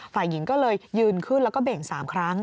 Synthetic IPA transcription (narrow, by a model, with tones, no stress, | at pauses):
faː˨˩jːi˩˦ŋkɔː˥˩lɤː˧jːɯː˧nkʰɯ˥˩nlɛ˦˥wkɔː˥˩be˨˩ŋsaː˩˦mkʰɾa˦˥ŋ